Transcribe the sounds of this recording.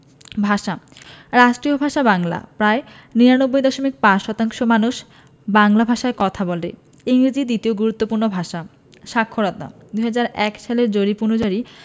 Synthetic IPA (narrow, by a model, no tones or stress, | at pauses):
bʱaʃa | ɾaʃʈɾiobʱaʃabaŋla̰pɾae | niɾanobːojd̪ɔʃomik̚pãʃɔt̪aŋʃomanuʃ | baŋlabʱaʃaekɔt̪ʰabole | iŋɾid͡ʑid̪it̪ioɡuɾut̪ːopuɾnobʱaʃa | ʃakʰːoɾɔt̪a̰d̪uɦad͡ʑaɾɛkʃaleɾd͡ʑoɾipunod͡ʑaɾi